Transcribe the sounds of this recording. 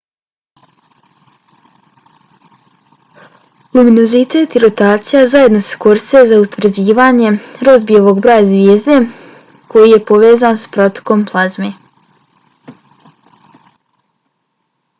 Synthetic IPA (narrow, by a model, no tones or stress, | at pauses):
luminozit̪et̪iɾo̞t̪aːt̪sijazaje̞d̪no̞se̥koɾst̪ezaut̪vrɾ̩d͡ʑiːʋaːɲe̞ɾo̞zbijeʋo̞ɡbɾoːjazʋjeːzd̪e | kʰo̞jijepo̞ʋe̞ːzaːnspɾo̞t̪o̥ko̞mplˠazme